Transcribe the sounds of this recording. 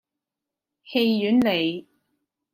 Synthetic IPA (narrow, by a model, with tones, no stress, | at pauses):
he˧jjyː˨˥nle˨j